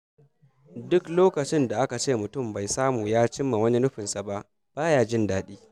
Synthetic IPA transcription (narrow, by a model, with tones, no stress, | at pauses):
dʊ˦kloː˦kɐ˨t͡ʃɪ˦nda˨ʔa˦ka˨t͡ʃeː˦˨mʊ˨tʊ˦˨mba˨jsaː˦muː˨jaː˦t͡ʃɪ˦mːa˨wɐ˦ni˦nʊ˦ɸɪ˨nsa˨ba˦ʔ | b̥aː˦jaː˦˨d͡ʒɪ˦ndaː˦ɗiː˦